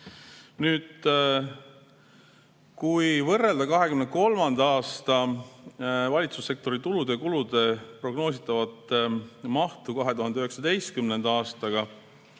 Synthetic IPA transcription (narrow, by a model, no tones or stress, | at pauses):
nyːd̪̥ | kujvɤrːe̞ld̪̥ɑkɑɦe̞kymneko̞lmɑnd̪̥ɑɑːst̪ɑ | vɑlʲit̪susːe̞k̚t̪o̞ɾit̪ulud̪̥ekulud̪̥e̞pro̞ɡno̞ːsit̪ːˑɑvɑt̪ːmɑht̪ukɑɦe̞t̪uɦɑnd̪eyɦeksɑd̪e̞jst̪̚kymne̞nd̪ɑɑːst̪ɑɡɑ